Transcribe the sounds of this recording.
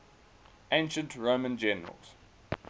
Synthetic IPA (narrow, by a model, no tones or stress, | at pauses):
ʔẽɪ̃nʃə̃ntʰɹoʊmə̃nd͡ʒɛnəɹə̰lˠz̥